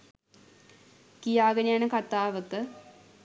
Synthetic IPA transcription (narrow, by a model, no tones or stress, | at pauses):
kijaːɡɐnejanəkat̪aːʋət̪ə